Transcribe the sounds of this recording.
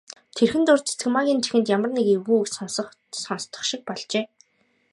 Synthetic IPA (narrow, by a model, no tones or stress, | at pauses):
t̪ʰerxɘ̆nt̪ʊrt̪e̥t͡sɘ̆kmaɣʲiːnt͡ɕʰi̥xɘ̆nt̪jamə̆rnekiwɣuːksɔnsɞ̆χ | sɔnst̪ɞ̥̆χʃɪ̆k̚pɔɮt͡ɕeː